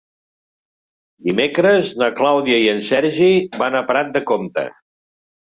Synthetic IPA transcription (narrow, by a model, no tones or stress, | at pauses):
d̪imekɾəznəklawðiəiənsɛɾʒibanəpəɾat̪̚d̪əkomt̪ə̰